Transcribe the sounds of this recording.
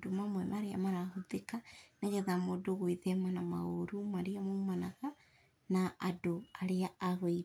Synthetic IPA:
domamwɛmaɾea̰maɾahoðekaneɣɛðamodoɣweðɛmanama̰oɾumaɾeamomanaɣa | naʔadoaɾeaaɣwei

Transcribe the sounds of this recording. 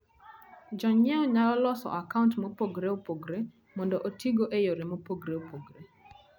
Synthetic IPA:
d͡ʒɔɲɛɔɲalɔlɔsɔ̰ʔakauntmopoɡɾeopoɡɾe | mɔndɔʔotʰiɡoʔejoɾemopoɡɾeopoɡɾe

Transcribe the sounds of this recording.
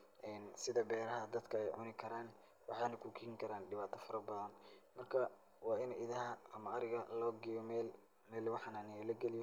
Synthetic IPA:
ʔɛːnsɪðɐbɛːɾɐɦɐd̪ɐd̪kʰɐɛjʕʊ̰nɪkʰɐɾaːn | wɑ̰ħɑːnɐkʰukʰɪːɪŋkʰɐɾaːnɖɪβaːt̪ʰɐfɐɾɐbɐðɐnmɐrkʰɐ | wɑːɪnʔɪðɐɦɐʔɐmɐɐɾɪɣɐlɔːɡɪjɔmɛːl | mɛːlɪwɑħɑnaːnɪjɔlɐɡɛlɪjɔ

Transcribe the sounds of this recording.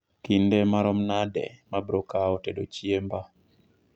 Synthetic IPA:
kindemaɾɔmnadɛ̰mabɾokaotedot͡ʃiemba

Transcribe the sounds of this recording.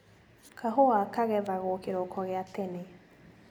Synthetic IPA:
kʰaɦoakaɣɛvaɣokeɾokʰɔɣeatene

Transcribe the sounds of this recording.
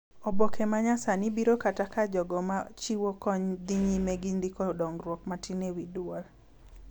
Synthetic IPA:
ɔbɔkʰemaɲasanɪbiɾokatakad͡ʒɔɡɔmat͡ʃiwokɔɲd̪iɲimɛɡind̪ikɔdɔŋɡɾwɔkmatinewidwɔl

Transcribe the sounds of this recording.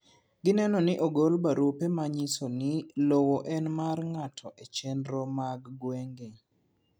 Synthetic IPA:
ɡɪnɛnɔnɪʔoɡolbaɾupemaɲisonɪlowoʔɛnmarŋatʰɔʔet͡ʃɛnɾɔmaɡɡweŋɡe

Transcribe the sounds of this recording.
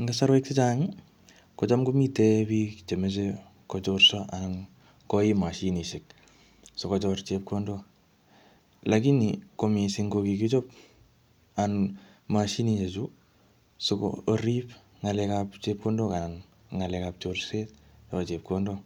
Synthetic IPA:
ŋɡasaɾweksit͡ʃaŋi | kɔt͡ʃamɡumitɛbikt͡ʃemes̬e | kɔt͡ʃorsɔʔan | kɔimaʃiniʃɪk̚ | sokɔt͡ʃɔrt͡ʃep̚kondo | lakinikomisɪŋɡokikit͡ʃop̚ | an | maʃiniɲet͡ʃu | soko̰oɾip | ŋalɛkapt͡ʃep̚kondokan | ŋalɛkap̚t͡ʃorset̚jɔkɔt͡ʃep̚kondo

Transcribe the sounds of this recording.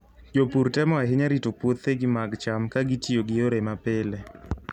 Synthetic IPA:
d͡ʒopuɾtɛmɔaɦɪɲaɾitopwot̪eɡɪmaɡt͡ʃamkaɡitioɡɪoɾemapele

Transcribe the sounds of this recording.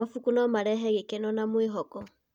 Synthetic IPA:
afukunɔmaɾɛɦɛɣekenɔnamwiɦɔkɔ

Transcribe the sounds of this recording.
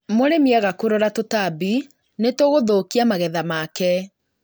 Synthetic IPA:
moɾemiaɣakoɾɔɾatotabi | netoɣoðokiamaɣɛðamakɛ

